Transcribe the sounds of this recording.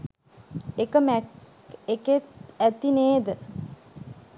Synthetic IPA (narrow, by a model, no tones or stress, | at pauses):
ekəmæ | eket̪æt̪ineːd̪ə